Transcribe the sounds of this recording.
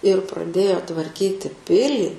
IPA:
ɪr prɐˈdʲeːjoː tʋɐrʲˈkʲiːtʲɪ ˈpʲɪlʲiː

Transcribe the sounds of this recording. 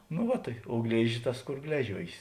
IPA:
nʊ ˈʋɐ tɐɪ oː ˈɡlʲeːʒʲɪs ˈtɐs ˈkoːr ˈɡlʲæːʒʲuɔjeːs

